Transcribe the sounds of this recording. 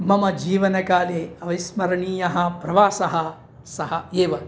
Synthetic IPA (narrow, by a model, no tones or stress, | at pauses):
mɐmɐd͡ʒiːʋɐnɐkaːleːɐʋɐsmɐɾɐɳiːjɐɦɐpɾɐʋaːsɐɦɐ | sɐɦɐeːʋɐ